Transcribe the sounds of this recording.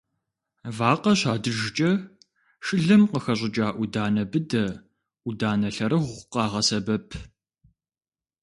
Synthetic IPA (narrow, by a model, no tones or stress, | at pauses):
vaːqɐɕaːdɨʒɪt͡ʃʼɐ | ʃʼɨɮɐmqəxɐʑʷʼɪt͡ʃʼaːʔʷʊdaːnɐbɨdɐ | ʔudaːnɐɬɐɾɨʁʷʊqɑːʁɐsɐbɐpʰ